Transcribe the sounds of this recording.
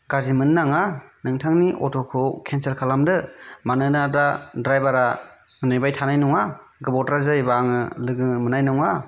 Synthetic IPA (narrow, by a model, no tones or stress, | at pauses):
ɡazimɯnːaŋanɯŋtʰaŋniʔɔtʰɔkʰɯwkʰenselkʰalamdɯmanɯnadadɾajbaɾa | ɯnɯjbajtʰanajnɔŋa | ɡɯbɔtɾazajbaŋɯlɯɡɯmɯnajnɔŋa